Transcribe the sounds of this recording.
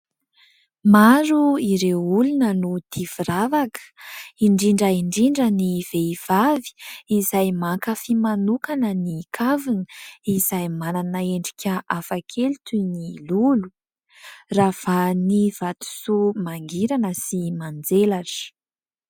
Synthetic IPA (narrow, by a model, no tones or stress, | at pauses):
maɾuiɾewulunənut̪ʰiviravakə̥iɳɖ͡ʐiɳɖ͡ʐəiɳɖ͡ʐiɳɖ͡ʐəniv̥eiv̥avi̥izajmakəfimanukanənikʰavinəizajmananəeɳɖ͡ʐi̥kʲəʔafakʰelt̪unilulu | ravaniv̥at̪u̥sumaŋɡiɾanəsimand͡zelaʈ͡ʂ